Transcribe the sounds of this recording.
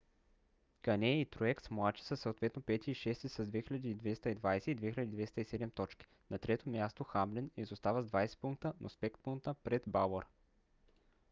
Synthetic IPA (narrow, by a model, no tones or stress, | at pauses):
kɐnɛit̪ɾoɛkt̪smlˠat͡ʃi̥səsoot̪vɛt̪nopɛt̪ʲiiʃɛst̪ɛsɐzd̪vɛxiʎʲɐd̪iːd̪vɛst̪əid̪vajsɛid̪vɛxiləd̪id̪vɛst̪əisɛd̪ɛmt̪ɔt͡ʃki̥ | nɐt̪ɾɛt̪omʲjast̪oxamblinizost̪avəzd̪vajsɛ̥puŋk̚t̪ənʔospɛkt̪puŋkt̪əpɾɛd̪baloɾ